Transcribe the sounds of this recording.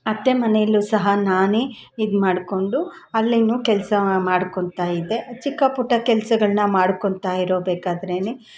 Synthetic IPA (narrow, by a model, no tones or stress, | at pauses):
ɐt̪ːemɐnejɐlːusɐɦɐnaːneː | id̪maːɽko̞ɳɖu | ɐlːinuːkɛlsɐmaːɽkoɳt̪aːjid̪e̞t͡ʃikːɐpuʈːɐkɛlsɐɡɐɭnɐmaːɽkoɳt̪aːjiɾoːbeːkaːd̪ɐɾeːne